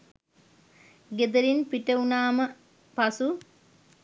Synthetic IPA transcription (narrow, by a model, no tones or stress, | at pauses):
ɡed̪ɐɾinpiʈəunaːmə | pasu